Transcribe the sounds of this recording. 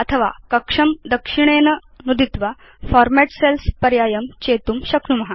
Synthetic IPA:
ət̪ʰəʋa̰kɐkʂəmd̪əkʂiɳ̃enə | nud̪it̪ʋa | fɔɾmɛʈselspəɾjaːjəmt͡ɕet̪umɕɐkʰnumɐɦa

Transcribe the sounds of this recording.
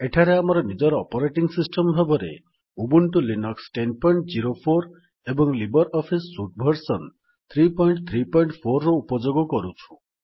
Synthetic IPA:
eʈʰaɾeamɔɾɔnid͡ʒɔɾɔpɔɾeʈiŋsisʈɔmbʱabɔɾḛ | ubuɳʈulinɔksʈenpɔiɳʈd͡ʒiɾopʰoɾ | ebɔŋlibɔɾɔpʰisːuʈ̚bʱɔɾsɔn | t̪ʰɾipɔiɳʈt̪ʰɾipɔiɳʈpʰoɾːɔupɔd͡ʒoɡɔkɔɾut͡ʃʰu̥

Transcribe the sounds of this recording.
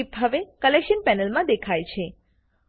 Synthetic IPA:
ipɦəʋekəlekʃənpɛnəlmãd̪ekʰajt͡ʃʰe

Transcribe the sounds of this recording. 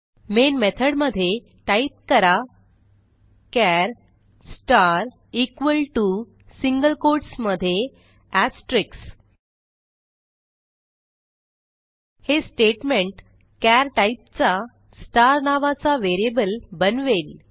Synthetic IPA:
menmet̪ʰəɽməd̪ʱːje | ʈaip̚kəɾa | kæɾ | sʈaɾ | ikʋəlʈu | siŋɡəlkoɾɖsməd̪ʱːje | æsʈɾiks | hesʈeʈmeɳʈ | kæɾʈaip̚t͡sa | sʈaɾnaʋat͡saʋeɾiebəlbənʋel

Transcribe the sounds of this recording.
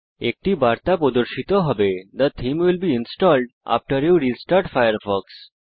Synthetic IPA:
ek̚ʈibaɾt̪apod̪oɾʃit̪oɦɔbed̪ət̪ʰimwilbiinsʈɔlɖʔa̰fʈəɾjuɾisʈaɾʈfajəɾfɔks

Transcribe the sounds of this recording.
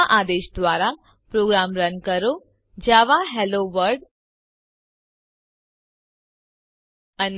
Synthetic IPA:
ʔad̪eɕd̪ʋaɾa | pɾoɡɾamɾənkəɾo | d͡ʑaʋaɦɛloʋəɾɖ | ən

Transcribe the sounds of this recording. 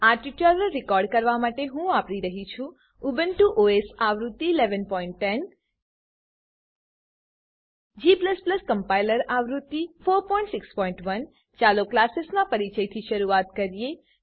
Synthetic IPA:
aɾʈiʈələɾɪkɔɾɖkəɾʋamaʈeɦũapɽiɾəɦit͡ʃʰũ | ubənʈuʔoesaʋɾut̪ːiːleʋənpɔiɳʈːɛn | d͡ʒipləspləskəmpailəɾaʋɾut̪ːifoɾpɔ̃ĩɳʈsɪkspɔ̃iɳʈʋən | t͡ʃaloklasesnãpəɾit͡ʃəjt̪ʰiʃəɾuat̪kəɾije

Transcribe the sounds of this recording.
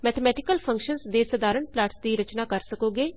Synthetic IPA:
mɛːt̪ʰəmɛːʈɪkəlpʰə̃ŋkʃənsd̪eːsəd̪aːɾəɳplaːʈsd̪iːɾət͡ʃnaːkəɾsəkoːɡeː

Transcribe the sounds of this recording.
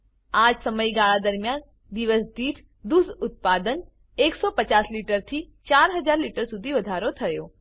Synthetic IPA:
aːd͡ʒsəməjɡaɭad̪əɾmjaːn | d̪iʋəsd̪iːʈ̪ʰ | d̪usʊt̪̚paːd̪ən | eksɔpət͡ʃaːsliʈəɾt̪ʰiːt͡ʃaːɾɦəd͡ʒaːɾliʈəɾsʊd̪ʱiʋɐd̪ʱaɾot̪ʰəjoː

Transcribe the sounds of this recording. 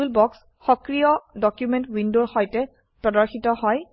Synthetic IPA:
lbɔks | xɔkɹijɔdɔkjumentwindoɹxɔjtɛ | pɹɔdɔɹxitɔhɔj

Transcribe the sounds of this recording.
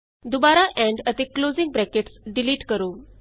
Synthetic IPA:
d̪ubaɾaʔɛ̃ɳɖət̪eklod͡ziŋɡ̚bɾɛkeʈsɖiliːʈkəɾo

